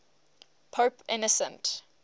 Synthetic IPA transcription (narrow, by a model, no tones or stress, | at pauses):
pʰoʊpʰɪ̰nəsə̰̃nt